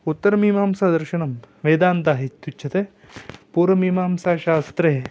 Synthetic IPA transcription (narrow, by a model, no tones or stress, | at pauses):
ut̪ːɐɾɐmiːmaːmsaːd̪ɐɾʃɐɳɐm | ʋeːd̪aːnt̪aːɦit̪utːt͡ʃʰɐt̪eː | puːɾɐmiːmaːmsaːʃaːst̪ɾeː